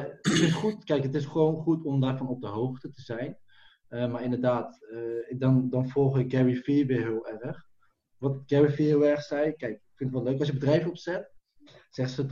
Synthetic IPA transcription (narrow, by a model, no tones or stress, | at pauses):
ɪkfɪntχutkɛjkətɪsχəʋownχutɔmdaːɹfɔnɔp̚dəɦowxtətəzɛjn | əmaɹɪndərdaːtdɔndɑnfɔlˠχɪk̚ɡɛɹifiʋɪɦɪːlˠɛrəχ | ʋɑtɡ̥ɛɹifiɦɪːlˠɛrχsɛjkɛjkkfɪntətʋɛløɥkɑsjəbədrɛjvəɔpsɛt | z̥ɛχsət